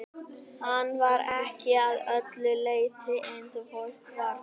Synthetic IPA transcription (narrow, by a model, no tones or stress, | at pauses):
hanvaɾɛhcɪaðœt̪lʏlejt̪ʰɪʔɛnðəvɔlkvaɾ